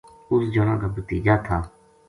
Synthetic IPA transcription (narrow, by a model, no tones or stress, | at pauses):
ʊsd͡ʒoːnã̰ːkaːbət̪iːd͡ʒaːt̪ʰaː